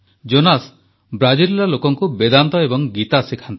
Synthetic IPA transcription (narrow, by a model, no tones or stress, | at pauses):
d͡ʒonas | bɾad͡ʒillalokɔŋkubed̪ant̪ɔebɔŋɡit̪asikʰant̪ɔ